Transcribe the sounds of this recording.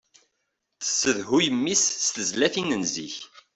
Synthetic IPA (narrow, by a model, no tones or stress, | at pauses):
θə̥sːəðɦujəmːisːt̪əzlæθinənzḭç